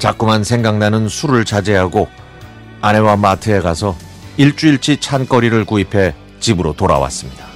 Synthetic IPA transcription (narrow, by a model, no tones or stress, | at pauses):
t͡ɕak͈umansʰe̞ŋɡaŋnanɯnsʰuɾɯɭt͡ɕad͡ʑeɦaɡo | ane̞wamatʰɯe̞ɡasʰʌ | iɭt͡ɕ͈uiɭt͡ɕ͈ʰit͡ɕʰank͈ʌɾiɾɯɭkuipʰe̞ | t͡ɕibɯɾotoɾa̰wa̰s͈ɯmɲid̥a